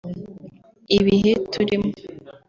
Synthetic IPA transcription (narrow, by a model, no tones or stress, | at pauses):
iβiɦetʰuɾimo